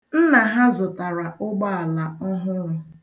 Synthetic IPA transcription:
n̩˦na˨ɦa˦zʊ˨ta˨ɾa˨ʔʊ˦ɡ͡ba˦a˨la˨ʊ˦ɦʊ˦ŋʊ˦

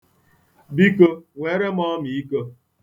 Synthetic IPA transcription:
bi˦ko˦ŋʷe˨˦ɾe˦mɔ˦mi˨i˦ko˦

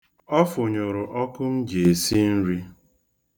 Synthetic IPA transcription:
ɔ˦fʊ˨ɲo˨ɾʊ˨ʔɔ˦kʊ˦n̩˦d͡ʒe˨e˨si˦n̩˦ɾi˦

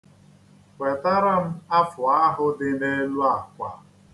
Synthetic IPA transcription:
wʷe˨ta˦ɾa˦m̩˦a˦fʊ˨a˦ɦʊ˦dɪ˦ne˦lu˦a˨kʷa̰˨

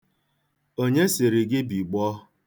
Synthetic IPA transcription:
o˦ɲe˦sɪ˨ɾi˨ɡɪ˦bi˨ɡ͡bɔ˦

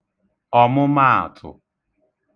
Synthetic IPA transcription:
ɔ˨mʊ˦ma˦a̰˨tʰʊ̰˨

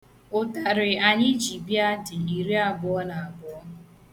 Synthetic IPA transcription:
ʊ˨ta˨ɾɪ˨a˨ɲɪ˦d͡ʒi˨bi˦a˦tɪ˨i˨ɾi˦a˦ɡʊ˦ɔ˦na˨a˨ɡʊ˦ɔ˦

